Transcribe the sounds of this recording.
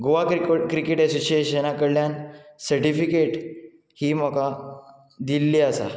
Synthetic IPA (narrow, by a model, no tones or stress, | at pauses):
ɡoʋakɾikkɾikeʈɛsoɕieɕənakəɽljansəɾʈifikeʈ | hiːm̤əka | d̪ilːiəsa̰